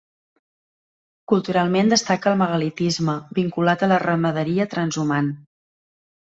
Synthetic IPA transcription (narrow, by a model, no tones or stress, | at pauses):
kulˠt̪uɾalˠmend̪əst̪akəlˠməɣəlit̪izməbiŋkulat̪ələrəməðəɾiət̪ɾənzuman